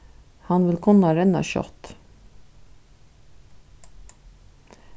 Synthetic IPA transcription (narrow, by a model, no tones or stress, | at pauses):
hɑnʋɪlkʰʊnɑɾɛnɑ̰ʃœ̰t̪